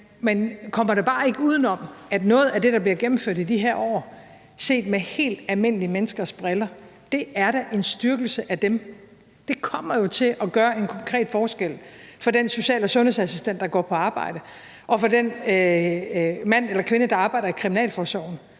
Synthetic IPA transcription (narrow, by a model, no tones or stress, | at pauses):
menkʰɒ̽m̰ɐɾeb̥ɑ̈ːe̝ɡ̥əuːð̞ˠn̩ɒ̽mæd̥nɔ̽ːð̞̩ˠæd̥e̝ɾɑ̈b̥liɐɡ̥em̩føɐ̰d̥idiɦeɐɒ̰ː | se̝̰ːd̥mehe̝̰ːld̥ælme̝n̰əliəmenəsɡ̥ɐsb̥ʁelɐd̥e̝ʔæɐɾ̥æʔe̝nsd̥yɐɡ̥l̩səʔæd̥em | d̥e̝kʰɒ̽m̰ɐjo̝t͡sʰe̝lʔɒ̽ɡ̥ɶːɐe̝nkʰɒ̽ŋkʰʁɛ̰ːd̥fɒːsɡ̥el̰fɒ̽denso̝ɕɛ̰ːləsɔ̽nhe̝sæsisd̥en̰d̥ːɑ̈ɡ̥ɒ̰ːpʰɒ̽ɑ̈ːb̥ɑ̈ɪ̰d̥ə | ʔɒ̽fɒ̽den | mæn̰elɐkʰʋe̝nəd̥ɑ̈ɑ̈ːb̥ɑ̈ɪɾ̥ɐikʰʁiminɛ̰ːlfɒsɒʊn̩